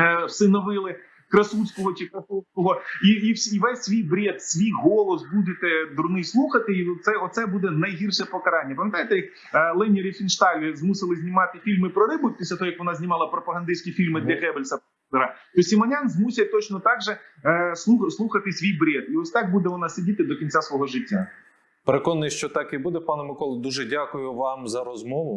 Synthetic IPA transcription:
sɪnɔʋɪlˠɪ | kɾɐsut͡sʲkɔɦɔt͡ʃɪkɾɐsusʲkɔɦɔiiwsʲiʋɛsʲsʲʋʲijbɾʲeɛt̪sʲʋʲijɦɔlˠɔsbud̪ʲɪt̪ɛd̪ɾʊnɪjslˠuxɐt̪ɪit̪sɛɔsɛbud̪ɛnɐjɦirʃɛpɔkɐɾɑnʲːɐpɐmʲjɐt̪ajet̪ɛjɐk̚ | lˠɛnʲɪɾʲɪfʲinʃt̪ɑlʲzmusɪlˠɪzʲnʲɪmɑt̪ɪfʲilʲmɪpɾɔɾɪbʊpʲisʲlʲɐt̪ɔɦɔjɐkʋɔnɑzʲnʲimɑlˠɐpɾɔpɐɦɐnd̪ɪsʲkʲifʲilʲmɪd̪lʲɐɣɛbelʲsɐp | t̪ɛɾɐt̪ɔsʲimɐnʲanzmusʲɐt̪ɔt͡ʃnɔt̪ɑɡʒɛslˠuxslˠuxɐt̪ɪsʲʋʲijbɾʲeɛt̪iɔsʲt̪ɑk̚bud̪ɛʋɔnɑsʲɐdʲit̪ɪd̪ɔkʲinʲt͡sʲasʋɔɦɔʒɪtʲːɐɐ | peɾekɔnːɪʃt͡ʃɔt̪ɑkibud̪ɛpɑnɛmɪkɔlˠd̪uʒɛdʲakʊjʊʋɑmzɐɾɔzmɔʋʊ

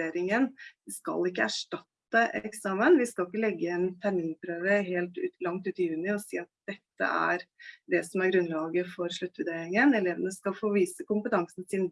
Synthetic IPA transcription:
eːɾɪŋənskɑ̰lɪkːəæʂʈɑt̪ːəʔɛksɑːmənʋɪskɑlɪkːəlɛɡːəɛnt̪ʰæɾmiːnpʰɾøːʋəɦeːlt̪ʉːt̪lɑŋt̪ʉːt̪ɪjʉːnɪɔsḭːɑt̪̚d̪̥ɛt̪ːə̰æ̰ɾd̪ɛsɔmæɾɡɾʉnlɑːɡəfɔɾʂɭʉt̪ːʋʉd̪eːɾɪŋənɛleːʋənəskɑlfoːʋiːsəkʊmpət̪ʰɑŋsn̩sɪn

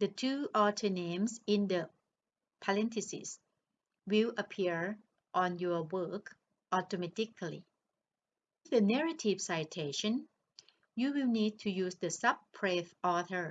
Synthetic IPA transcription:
dətʰuːʔɔtʰə˞nẽmsĩndə | pʰalɛ̃ntʰisḭs | wiləpʰiɹ | ʔɔ̃njɔwək | ʔɔtomɛtikʰlḭ | fdənɛɹətʰiv̥saɪjtʰeʃə̃n | juwilnid̚tʰujuːsdəsab̚pʰɹɛθʔɔtʰə

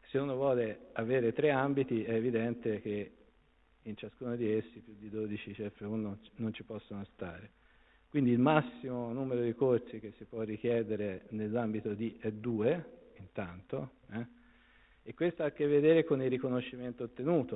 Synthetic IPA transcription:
seuːnovwɔːleaveːɾet̪ɾeambit̪iɛːvid̪ɛnt̪ek̟e | int͡ʃaskuːnod̪iesːipjud̪ːid̪oːd̪it͡ʃit͡ʃɛfːeunonont͡ʃipɔsːonost̪a̰ːɾe | kwind̪iːlmasːimonuːmeɾod̪ikort̪sik̟esːipwɔrːik̟jɛːd̪eɾenelːambit̪od̪iʔɛd̪ːuːeint̪ant̪oɛ | ekwest̪oakːevːed̪eːɾekonilːikonoʃːiment̪oːt̪ːenuːt̪o

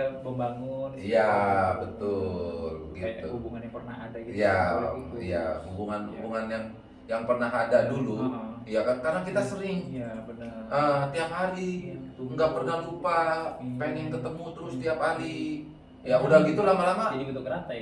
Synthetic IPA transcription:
bəmbaŋʊnjabət̪ʊlɡit̪uubuŋanjaŋpərnahadaɡija | ija̰hubuŋanubuŋanjaŋ | jaŋpərnaɦadadulujakakarnakit̪asəɾɪŋbənəət̪iap̚ɦaɾiŋɡapərnahlupapaŋɛŋkət̪əmut̪əɾʊsə̥t̪iaphaɾi | jaudaɡit̪ulamalamait̪uɡəɾat̪a

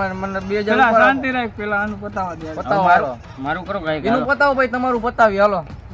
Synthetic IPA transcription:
mənbiod͡ʒalaəant̪iɾaik̚pɛlaanupət̪aʋad̪iapəaaɾo | maɾukəɾokaiinũpət̪aobait̪əmaɾupət̪aʋialo

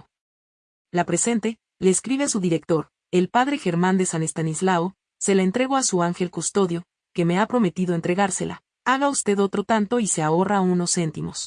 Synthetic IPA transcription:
lapɾe̞se̞nt̪e̞ | le̞ːskɾiβe̞asuðiɾe̞k̚t̪o̞ɾ | e̞lpaðɾe̞xe̞ɾmãnd̪e̞sane̞st̪anizlao | se̞laent̪ɾe̞ɣo̞asuaŋxe̞lkust̪o̞ðjo̞ | ke̞me̞apɾo̞me̞t̪iðo̞e̞nt̪ɾe̞ɣaɾse̞la̰ | aɣaust̪e̞ðo̞t̪ɾo̞t̪ant̪o̞ise̞ao̞rauno̞sːe̞nt̪imo̞s

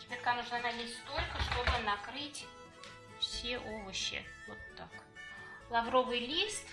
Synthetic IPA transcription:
bʲɪrkanɨʐnad̪alʲisʲst̪o̞lʲkəʂt̪o̞bɨnɐkɾɨtʲ | fsʲeʔovəɕːɪ̰vot̪ːak | lˠɐvɾo̞vɨjlʲis

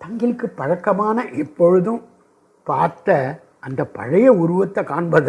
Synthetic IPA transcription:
t̪ɐŋɡɪlkːɯpːɐɻɐkːɐmaːnɐʔɛpːɔɻɯðɯ̃m | paːɾt̪ɐ | ʔɐnd̪ɐpɐ̰ɻɐjɐʊɾʊʋɐt̪ːɐkaːɳbɐðɐ

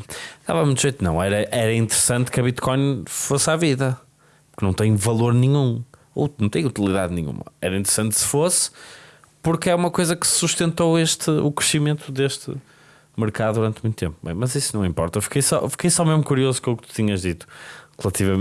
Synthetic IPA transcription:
d̪a̰vɐmũt̪uʒejt̪nɐ̃w̃ɛɾɐʔɛɾɐĩnt̪ɨɾɨsɐ̃nt̪kɐβit̪kɔj̃nfosaviðɐ | puɾknɐ̃w̃t̪ẽɲ̃vɐlˠoɾnĩɲṵ̃ | ɐ̃w̃t̪ẽɲ̃ut̪ilˠiðaðnḭ̃ɲṵ̃mɐ̰ɛɾɐĩnt̪ɨɾsɐ̃nt̪sɨ̥fos | puɾkɛumɐkojzɐkɨ̥suʃt̪ẽnt̪oweʃt̪ɨṵkɾɨʃimẽnt̪uðeʃt̪ɨ̰ | mɨɾkaðuðuɾɐ̃nt̪mũj̃t̪ut̪ẽmp̚ubɐ̰̃j̃mɐzisunɐ̃w̃ĩmpɔɾt̪ɐfi̥kejsɔ̰fi̥kejsɔmeʒmukuɾiozukõuk̚t̪u̥t̪iɲɐʒðit̪u̥ʁɨlˠɐt̪ivɐm

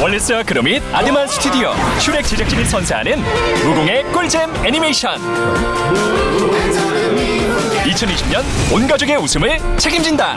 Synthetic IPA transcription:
wʌɭːes͈ɯwakɯɾʌmid̚adɯmansʰɯ̥tʰudiʌ̰ɕʰuɾe̞k̚t͡ɕed͡ʑak̚t͡ɕ͈iɡɯɭsʰʌnsʰeɦa̰nɯnmuɡoŋe̞k͈oɭd͡ʑemenimeɕʰʌn | it͡ɕʰʌniɕʰimɲʌnonɡad͡ʑoɡe̞usʰɯmɯɭt͡ɕʰe̞ɡimd͡ʑinda̰

